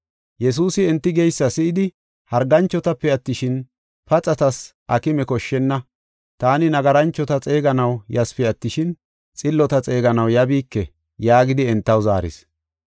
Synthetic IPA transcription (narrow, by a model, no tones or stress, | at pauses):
jɛs̬uːsɪɛnt̪ːɪɡɛjsːɐsɪʔɪd̪ɪ | hɐɾɡɐnt͡ʃːɔt̪ɐpːɛɐt̪ːɪʃɪn | pɐt͡sʼɐt̪ɐsʔɐkɪmɛkɔʃːɛnːɐ | t̪aːnɪnɐɡɐɾɐnt͡ʃːɔt̪ɐt͡sʼe̞ːɡɐnɐwjɐspɛɐt̪ːɪʃɪn | t͡sʼɪlːɔt̪ɐt͡sʼe̞ːɡɐnɐwjɐbiːkːɛ | jaːɡɪd̪ɪɛnt̪ːɐwza̰ːɾɪ̰s